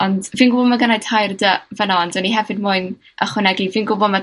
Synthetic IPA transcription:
ɔndviːnɡʊbɔmaɡənajtʰajrdəvənɔndəniɦɛvɨd̚mʊɨn | əχwɪnɛɡiviːnɡʊbɔma

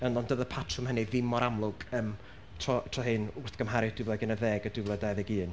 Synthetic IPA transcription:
ənɔndəðəpʰatʰrʊmhəniðɪmɔɾamlˠʊɡ̥əːm | tʰrɔtʰrɔhɨnʊrθɡ̥əmɦaɾɪd̥ɪvlˠɛɡɛnəðeːɡədɪvlˠɛdaðɛɡiːn

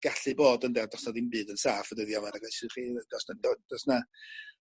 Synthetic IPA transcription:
ɡ̥aɬɨboːdəndɛrdɔsnɔðimbɨːdənsaːfvədɛðiamaɾaɡasiχiːd̥ɔsnadɔd̥ɔsna

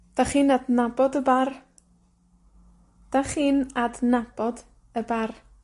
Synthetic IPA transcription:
d̥aχiːnadnabɔdəbar | d̥aχiːnadnab̥ɔd | əbar

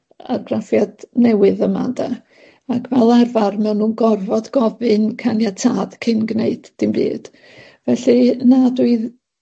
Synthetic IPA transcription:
a̰rɡrafjadnɛwɨðəma̰da | akʰvɛlˠarvarmɛwnːuːnɡɔrvɔdɡɔvɨnkʰanjatʰaːð̥kʰɪnɡneɨd̥ːɪmbḭːd̥ | vɛɬinaduɨð

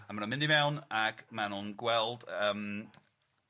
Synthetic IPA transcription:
amanɔnmɪ̃ndimɛwnaɡmanʊnɡwɛlˠd̥əm

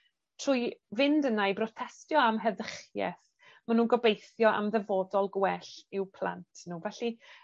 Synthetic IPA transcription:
tʰr̥ʊːjvɪndənajbrɔtʰɛstjɔamɦɛðəχjɛ̰θ | manuːnɡɔbejθjɔʔa̰mðɛvoːdɔlˠɡwɛɬɪwpʰl̥ˠa̰ntʰnuːvɛɬi

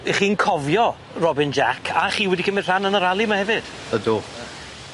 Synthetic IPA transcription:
χiːnkʰɔvjɔ | rɔbɪnd͡ʒakʰaχiːwɛdikʰəmɪ̥r̥anənəɾalˠimahɛvɨd̥ | ədo

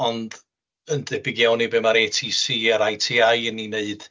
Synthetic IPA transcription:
ɔnd | əndɛbɪɡjawnibeːmaɾeːtʰiːsiːaɾajtʰiːajnineɨd̥

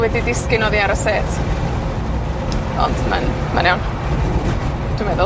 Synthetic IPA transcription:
wɛdidɪskɪnɔðiaɾəseːt | ɔ̰ndma̰n | manawn | tʰumɛðɔ

